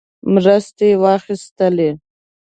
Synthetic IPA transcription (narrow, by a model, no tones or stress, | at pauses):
mɾəst̪ewɑxist̪əle